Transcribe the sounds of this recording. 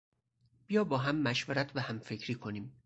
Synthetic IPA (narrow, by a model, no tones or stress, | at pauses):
b̥ijɒːbɒːɦæmːæʃveɾæt̪ʰvæhæmfecʰɾiːkʰo̞niːm